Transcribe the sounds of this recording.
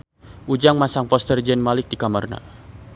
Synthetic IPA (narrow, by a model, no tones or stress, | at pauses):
ʔud͡ʒaŋmasaŋpɔst̪ərd͡ʒɛnmalɪk̚dikamarna̰